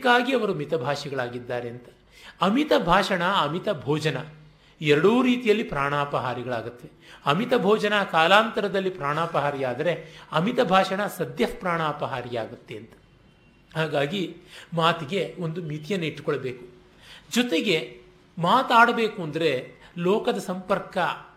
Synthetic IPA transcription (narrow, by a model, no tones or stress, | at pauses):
kːaːɡiɐʋɐɾumit̪ɐbʱaːʂiɡɐɭaːɡid̪ːaːɾeɐnt̪ɐ̥ | ɐmit̪ɐbʱaːʂɐɳɐɐmit̪ɐbʱɔːd͡ʒɐnɐ | ɛɾɐɽuːɾiːt̪ijɐlːipɾaːɳaːpɐɦaːɾiɡɐɭaːɡut̪ːe | ɐmit̪ɐbʱɔːd͡ʒɐnaːkaːlaːnt̪ɐɾɐd̪ɐlːipɾaːɳaːpɐɦaːɾijaːd̪ɐɾe̞ɐmit̪ɐbʱaːʂɐɳɐsɐd̪jɐpɾaːɳaːpɐɦaːɾijaːɡut̪ːeɐnt̪ɐ̥ | haːɡaːɡimaːt̪iɡe̞o̞nd̪umit̪ijɐnːɐiʈːu̥koɭɐbeːku | d͡ʒɔt̪e̞ɡe̞ | maːt̪aːɽɐbe̞ːkuɐnd̪ɐɾe̞lɔːkɐd̪ɐsɐmpɐɾkɐ